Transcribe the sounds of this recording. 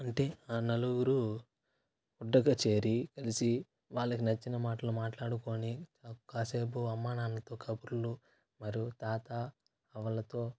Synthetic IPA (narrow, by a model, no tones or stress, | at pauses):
ɐɳʈe̞ːaːnɐluɡuɾu | uɖːɐɡɐt͡ʃe̞ːɾikɐlisi | ʋaːɭːɐkinɐt͡ʃːinɐmaːʈɐlumaːʈlaːɽuko̞ːniakaːseːbuɐmːaːnaːnɐt̪o̞ːkʰɐbuɾulu | mɐɾijut̪aːt̪a | ɐʋɐlɐt̪o̞ː